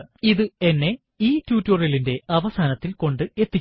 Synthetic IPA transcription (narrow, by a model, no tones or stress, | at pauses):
iðɨe̞nːe̞ | iːtːjuːtːorjɐlinde̞ɐʋɐsaːnɐt̪ːilko̞ɳɖɨe̞t̪ːi